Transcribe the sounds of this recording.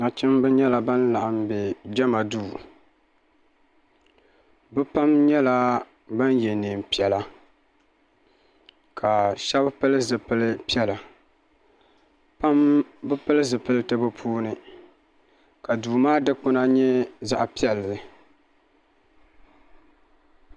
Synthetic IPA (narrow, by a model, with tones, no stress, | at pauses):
na˨t͡ʃɪ˦mbɨ˦ɲɛ˦la˨ba˦nla˨ʔa˨mbɛ˨d͡ʒɛ˦ma˨duː˦˨ | bɨ˦pa˦mɲɛ˦la˦ | ba˦njɛ˨ne˨m˨pi˨ɛ˨la˦ | kʰa˨ʃɛ˦bpɨ˦lɨ˦zɨ˨pɨ˦lɨ˦pi˦ɛ˦la˨ | pa˦mbɨ˦pɨ˦lɨ˦zɨ˨pɨ˦lɨ˦tɨ˦bɨ˦pʰuː˦nɨ˦ | ka˨duː˨maː˦dɨ˦k͡pʊ˦na˦ɲɛ˦za˦ʔpi˦ɛ˨lɨ˨